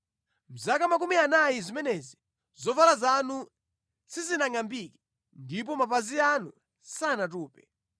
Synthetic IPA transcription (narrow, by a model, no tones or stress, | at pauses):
m̩zakamak̬umianajizimɛnɛzi | zɔvalazanu | sizinaŋambikɛ | ndip̬ɔmap̬azianu | sanatuːpɛ